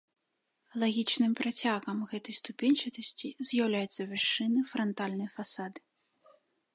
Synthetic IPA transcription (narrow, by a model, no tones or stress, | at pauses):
lˠaɣʲit͡ʂnɨmpɾat͡sʲaɣɐmɣɛt̪ɐjst̪upʲɛnʲt͡ʂɨt̪ɐsʲt͡sʲizʲjawlʲajut̪sːɐvʲɛʂːɨnɨfɾɐnt̪alʲnɐjfasad̪ɨ̥